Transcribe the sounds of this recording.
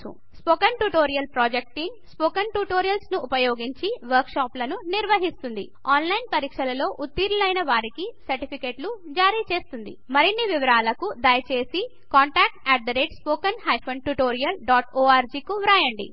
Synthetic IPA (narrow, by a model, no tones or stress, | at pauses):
ṵ | spoːkɐnʈuʈoːɾijɐlpɾoːd͡ʒek̚ʈinspoːkɐnʈuʈoːɾijɐlsnuʔːpɐjoːɡiɲt͡ʃiʋɐɾkʂaːplɐnuniɾʋɐɦist̪und̪ḭ | aːnlɐjnpɐɾiːkʂɐlɐlo̞ːʔut̪ːiːɾɐlɐjnɐʋaːɾikisɐɾʈipʰikeːʈlud͡ʒaːɾiːt͡ʃe̞ːst̪und̪ḭmɐɾinːiʋiʋɐɾaːlɐkud̪ɐjɐt͡ʃe̞ːsi | kaːɳʈaːk̚ʈɛːʈ̚d̪ɐɾeːʈspoːkɐnhɐjpʰɐnʈuʈoːɾijɐlɖaːʈoːaːɾd͡ʒiːkuʋɾaːjɐɳɖḭ